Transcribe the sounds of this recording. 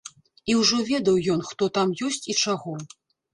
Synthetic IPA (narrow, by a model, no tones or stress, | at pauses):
iwʐɔvʲɛd̪ɐwjɔnxt̪ɔt̪amjɔsʲt͡sʲit͡ʂaɣɔ